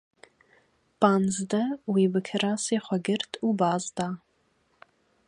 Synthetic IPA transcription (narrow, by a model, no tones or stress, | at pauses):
b̥ʼanzdɐwibɨkʲʰɨrasejχʷɔɡʲɪrtʰʼubaːzda